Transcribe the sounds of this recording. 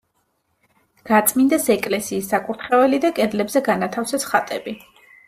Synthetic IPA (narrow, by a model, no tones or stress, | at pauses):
ɡ̥at̪sʼmind̪ɛsɛkʼlɛsiːsːakʼuɾt̪ʰχɛvɛlid̪akʼɛd̪lɛbzɛɡanat̪ʰafsɛsχat̪ʼɛbi